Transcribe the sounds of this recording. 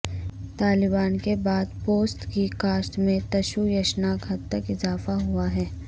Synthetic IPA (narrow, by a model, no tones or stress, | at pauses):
t̪aːlɪbaːnkebaːd̪poːsʈkikaːsʈ̪mẽt̪ɐʃujɐʃnaːkɦɐd̪t̪əkɪzaːfaɦʊaɦɛː